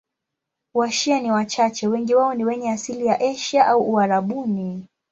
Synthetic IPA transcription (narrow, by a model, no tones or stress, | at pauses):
waʃianiwat͡ʃat͡ʃɛwɛŋɡiwaɔniwɛɲɛasilijaʔɛʃaʔauʔːaɾaɓuni